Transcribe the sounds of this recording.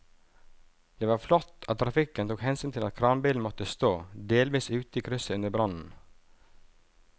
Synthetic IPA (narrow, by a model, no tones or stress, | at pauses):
d̪̥eːʋɑːɾflɔt̪ɑt̪ːʰɾɑfɪkənt̪uːkhɛnsyːnt̪ʰɪlɑ̰t̪̚kʰɾɑːnbiːln̩mɔt̪əst̪oːd̪eːlʋiːsʉːt̪əiːkʰɾʏsəʉnd̪əbɾɑnn̩